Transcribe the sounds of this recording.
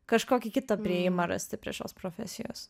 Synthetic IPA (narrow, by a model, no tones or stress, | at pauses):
kɐʃkoːkʲɪkʲɪt̪ɐpʲɾʲɪɛjɪmɐɾɐ̰sʲt̪ʲɪpʲɾʲiɛʃo̰ːspɾofʲɛ̰sʲɪjo̰ːs